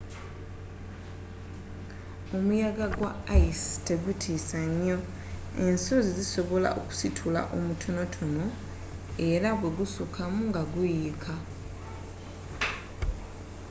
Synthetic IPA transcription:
o̞mujaɡaɡwaaiste̞ɡutʰiːsaɲːo̞ | e̞nsoziziso̞βo̞la̰ʔo̰ku̥sitʰula̰ʔo̞mutʰo̞no̞tʰo̞no̞ | e̞ɾaβwe̞ɡusukʰamuŋɡaɡujikʰa

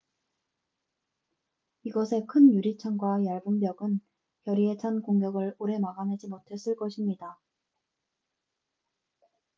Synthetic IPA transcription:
iɡʌsʰe̞kʰɯnjuɾit͡ɕʰaŋɡwajaɭbumbjʌɡɯn | kjʌɾiet͡ɕʰankoŋɡjʌɡɯɭoɾe̞maɡane̞d͡ʑimotʰe̞s͈ɯɭk͈ʌɕʰimɲida

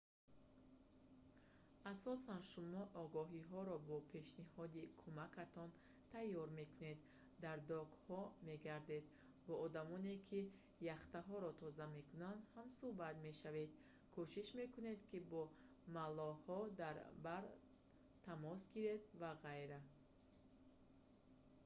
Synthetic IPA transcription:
asɔsanʃumɔʔɔɡɔɦiɦɔɾɔbɔpʰe̞ʃnihɔd̪ikʰumakʰat̪ʰɔn | t̪ʰajːɔɾme̞kune̞d̪ː | aɾd̪ɔɡhɔme̞ɡaɾd̪e̞d̪ | bɔːd̪amɔne̞kʰi | jaχt̪aɦɔɾɔt̪ʰɔzame̞kʰunand̪hamsuhbat̪me̞ʃave̞d̪ | kʰuʃiʃme̞kune̞d̪kibɔ | malɔhɔd̪aɾbaɾ | t̪ʰamɔsɡiɾe̞d̪vaʁajɾa

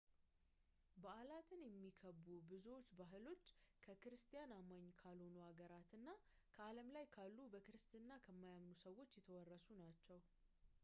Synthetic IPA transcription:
bəalat̪ʰɨnjɛmːikʰəbːubɨzuwot͡ʃːbaɦɨlo̞t͡ʃːkʰəkɨɾɨst̪ʰijanamaɲːkʰalo̞nuhaɡəɾat̪ɨnːakʰəaləmlajkʰalːubəkɨɾɨst̪ɨnːakʰəmːajamnusəwːo̞t͡ʃːjɛt̪ʰəwɔrːəsunat͡ʃːɛw

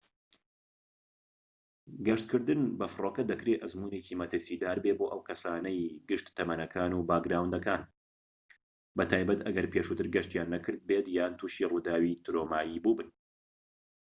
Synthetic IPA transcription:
ɡɐʃt̪kʰɨɾd̪ɨnbɐfɨroːkɐd̪ɐkɾeːʔɐzmuːneciːmɐt̪ɨɾsid̪aːɾbeːboːʔɐwkʰɐsaːnɐjɡɨʃt̪t̪ːɐmɐnɐkʰaːnuːbaːɡɾaːwnd̪ɐkaːn | bɐt̪ʰaːjbɐt̪ʔɐɡɐɾpʰeːʃuːt̪ɨɾɡɐʃt̪jaːnːɐkʰɨɾd̪̚bet̪jaːnt̪ʰuːʃiːruːd̪aːwiːt̪ɾoːmaːjiːbuːbɨn

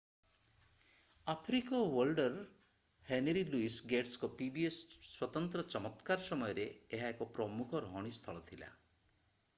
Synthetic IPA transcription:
apʰɾikɔwɔlɖɔɾ | henɾiluisɡeʈskɔpibiesːwɔt̪ɔnt̪ɾɔt͡ʃɔmɔt̪kaɾɔsɔmɔjɔɾeːɦaekɔpɾɔmukʰɔɾɔɦɔɽ̃ist̪ʰɔɭɔt̪ʰila̰

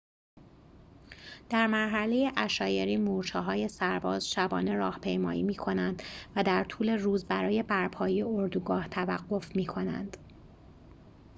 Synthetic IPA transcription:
d̪̥æɾmæɾɦæle̞jeʔæʃɒːje̞ɾiːmuːɾt͡ʃʰɒːɦɒːje̞sæɾbɒːzʃæbɒ̰ːne̞ɾɒːhpʰe̞jmɒ̰ːjiːmiːkʰo̞nænd̪̥væd̪æɾt̪ʰuːle̞ruːzbæɾɒːje̞bæɾpʰɒːjejeoɾd̪uːɡɒːht̪ʰævæɢːo̞fmiːkʰo̞næ̰nd̪̥

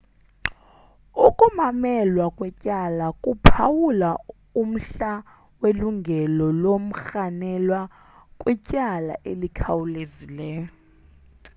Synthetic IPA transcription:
ukʼumamɛlwakʼwɛcʼalakʼupʰawula | um̩ɬa | weluŋɡʱɛlɔlom̩xanɛlwa | kʼwɛcʼala̰ʔelikʰawulezilɛ

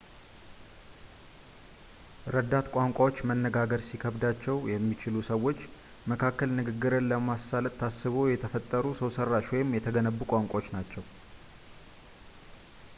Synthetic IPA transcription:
ɾəd̪ːat̪kʷʼaŋkʷʼawot͡ʃːmənːəɡaɡəɾsikʰəβd̪at͡ʃːɛwjɛmːit͡ʃɪlusəwːo̞t͡ʃː | məkʰakːəlnɨɡɨɡːɨɾənləmasːalət̪t̪ʰːasːɨβojɛt̪ʰəfət̪ʼːəɾusəwsərːaʃwɔjɪmjɛt̪ʰəɡənəbːukʷʼaŋkʷʼawot͡ʃːnat͡ʃːɛw

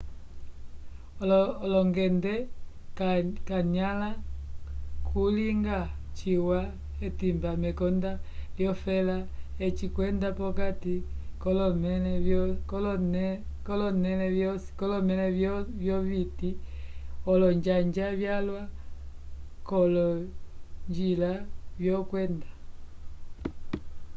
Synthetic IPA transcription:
lɔŋɡɛndɛ | kaɲala | kʰuliŋɡa | t͡ʃiwa | ɛtimbamɛkɔndaljɔfɛlaɛt͡ʃikwɛndapɔkatikɔlɔmɛ | lnkɔlɔnɛlɛ̥kɔlɔmɛlɛvjɔviti | ɔlɔɲd͡ʒaɲd͡ʒaβjalwa | kɔlɔ | ɲd͡ʒilavjɔkwɛnda

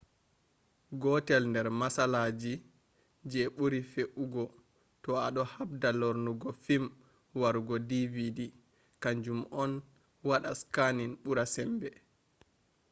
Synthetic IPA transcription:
ɡɔtɛlndɛɾmasalaːd͡ʒi | d͡ʒɛɓuɾifeʔuɡɔ | tɔaɗɔhabdalɔɾnuɡɔfim | waɾuɡɔdividi | kaɲd͡ʒumɔn | waɗaskaninɓuɾasɛmbɛ

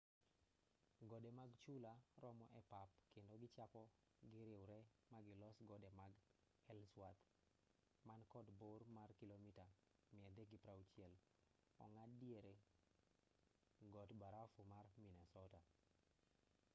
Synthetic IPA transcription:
ɡɔdemaɡt͡ʃulaɾɔmɔʔɛpapkendoɡɪt͡ʃapɔ | ɡɪɾɪwɾɛmaɡɪlɔsɡɔdɛmaɡ | hɛlswat̪ | mankɔdbormarkilomita | mɪɛd̪ɛɡɪpɾawt͡ʃjɛl | ɔ̰ŋadjeɾe | ɡɔtbaɾafumarminɛsɔta

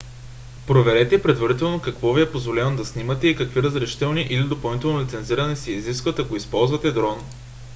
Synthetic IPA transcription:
pɾovɛɾɛt̪ɛipɾɛd̪vɐɾit̪ɛlˠnokɐkvɔviɛpozvolʲɛnod̪ɐsnimɐt̪ɛikɐkviɾəzɾɛʃi̥t̪ɛlˠniʔilid̪opɐlˠnit̪ɛlˠnolit̪ɛnziɾɐnɛsiːziskvət̪ɐkoispɔlˠzvɐt̪ɛd̪ɾɔn

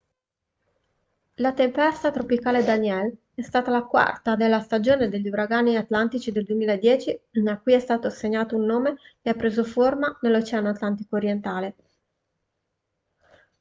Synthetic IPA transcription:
lat̪empɛst̪at̪ɾopikaːled̪anjɛl | ɛst̪aːt̪alakwa̰rt̪ad̪elːast̪ad͡ʒoːned̪eʎːiuɾaɡaːniat̪lant̪it͡ʃid̪eld̪uemiːlaed̪ːjɛːt͡ʃiakːujɛst̪aːt̪oseɲːaːt̪ounːoːmekeapːɾeːzoformanelːot͡ʃɛanoat̪lant̪ikoːɾjent̪aːle

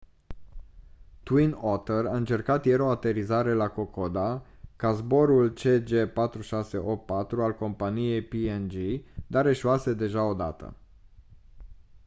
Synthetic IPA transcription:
t̪winot̪eɾaɨnt͡ʃe̞rkat̪je̞ɾo̞at̪e̞ɾizaɾe̞lako̞kod̪a | kazbo̞ɾult͡ʃe̞d͡ʒe̞pat̪ɾuʃase̞ʔo̞pːat̪ɾualko̞mpanije̞jpiend͡ʒid̪aɾe̞ʃuase̞d̪e̞ʒao̞d̪a̰t̪ə̰

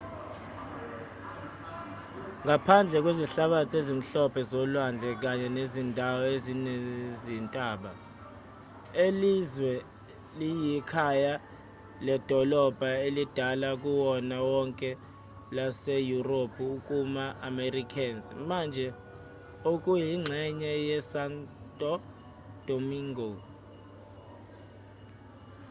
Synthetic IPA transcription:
ŋapʰand͡ɮʱɛk̬weziɬaɓatʰezim̩ɬɔpʰɛzɔlwand͡ɮʱɛk̬aɲɛnezindʱawɔezinɛzintʼaːɓa | elizwɛ | lijikʰaja | lɛd̥ʱɔlɔb̥ʱaelid̥ʱalakʼuwɔnawɔŋkʼɛ | lasejuropʰuːkʼumaʔamerikʰʼɛnsmand͡ʒʱɛ | okʼujiŋ͡ǁʱɛɲɛjɛsantʼɔ | d̥ʱomiŋɡo

